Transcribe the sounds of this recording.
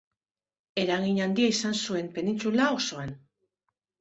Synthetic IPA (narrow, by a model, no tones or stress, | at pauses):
e̞ɾaɣiɲand̪iaisansue̞mpe̞nint͡sulao̞so̞an